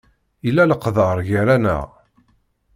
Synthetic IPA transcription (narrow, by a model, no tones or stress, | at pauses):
ilːæləqðəɾˤʝəɾænə̰ʁ